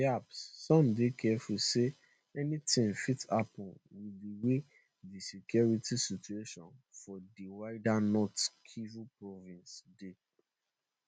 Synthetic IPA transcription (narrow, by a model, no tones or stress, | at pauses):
apsːɔ̃mdekʰɛfuse | ɛnitĩŋfitapɔ̃nwidiwe | disekjɔɹitisit͡ʃueʃɔ̰̃nfɔdiwaɪdanɔtkʰivupɹɔvĩnsde